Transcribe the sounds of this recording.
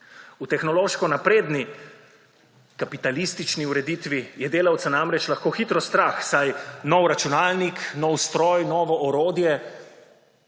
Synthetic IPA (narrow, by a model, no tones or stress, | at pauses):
ut̪ɛxnɔloːʃkɔnapɾeːd̪ni | kapit̪alist̪it͡ʃniuɾɛd̪it̪ʋijɛd̪eːlawt̪sanamɾɛt͡ʃlaxkoːxit̪ɾɔst̪ɾaːxsajnɔwɾat͡ʃunaːlniknɔwst̪ɾɔːjnɔːʋɔʔɔɾoːd̪jɛ